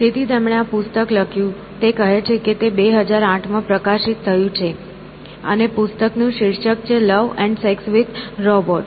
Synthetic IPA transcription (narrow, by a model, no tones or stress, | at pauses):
st̪ʰit̪ʰit̪emɽ̃eapʊst̪əkləkʰjũ | t̪ekəɦet͡ʃʰeket̪ebeɦəd͡ʒaɾãʈʰmãpɾəkaʃit̪ʰːəjũt͡ʃʰe | ə̰nepʊst̪əknũʃɪɾʃək̚t͡ʃʰeləʋɛ̃ɳɖseksʋid̪ɾɔbɔʈ